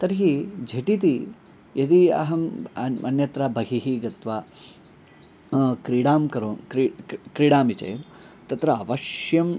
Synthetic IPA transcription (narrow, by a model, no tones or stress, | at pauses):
t̪ɐɾɦid͡ʒʱeʈit̪i | jɐt̪iɐ̰ɦɐmɐɐnjɐt̪ɾɐbʱɐɦiɦiɡɐt̪ʋa | kɾiːɽaːmkɐɾoːnkɾikɾiːɽaːmit͡ʃɐ̰jʋ | t̪ɐt̪ɾɐːʋɐʃjɐm